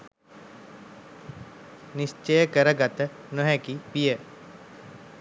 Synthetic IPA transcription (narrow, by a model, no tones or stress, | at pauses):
nist͡ʃəjəkəɾəɡat̪ə | noɦɛkipijə